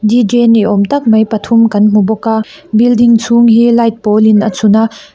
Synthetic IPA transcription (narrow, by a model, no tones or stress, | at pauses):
did͡ʒɛniʔɔmt̪ɐk̚mɐjpɐt̪ʰumkɐnm̥ubɔka | bildiŋt͡sʰuŋɦilɐjt̪̚pɔlinat͡sʰuna